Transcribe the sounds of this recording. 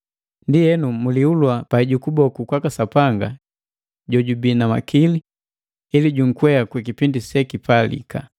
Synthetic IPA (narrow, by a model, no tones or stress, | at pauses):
ndijɛnumuliulwapaiɟukubɔkukwakasapaŋɡa | ɟɔɟubinama̰kili | iliɟuŋ̩kwɛakwikipindisɛkipalḭka̰